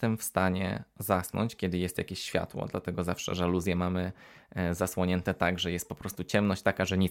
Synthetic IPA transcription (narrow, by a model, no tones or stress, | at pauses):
t̪ɛmfst̪aɲɛ̰zasnɔ̰ɲt͡ɕkʲɛd̪ɘjɛst̪ja̰kʲeɕːfʲja̰t̪wɔ̰d̪la̰t̪ɛɡɔzafʂɛ̰ʐɛluzʲjɛmamɘzaswɔɲɛnt̪ɛt̪aɡʐɛjɛst̪̚pɔpɾɔst̪ut͡ɕɛmnɔɕt͡ɕt̪akaʐɛɲi